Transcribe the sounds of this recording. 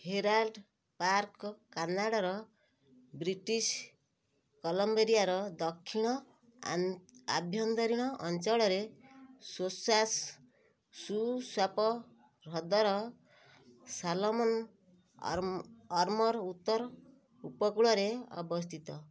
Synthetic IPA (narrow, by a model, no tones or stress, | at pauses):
heɾalɖ | paɾkkanaɽaɾɔ | bɾiʈis | kɔlɔmbeɾijaɾɔd̪ɔkʰːiɽ̃ɔ | a̰bʱjɔnd̪ɔɾiɽ̃ɔʔɔnt͡ʃɔɭɔɾesosas | suswapɔ | ɾɔd̪ɔɾɔ | salɔmɔn | ɔɾmɔɾut̪ːɔɾ | upɔkuɭɔɾeɔ̰bɔst̪ʰit̪ɔ